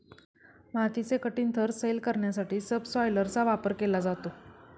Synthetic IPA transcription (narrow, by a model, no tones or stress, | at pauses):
mat̪it͡sekəʈiːnt̪ʰəɾselkəɾɳjasaʈiːsəbsɔjləɾt͡saʋapəɾkelad͡zat̪o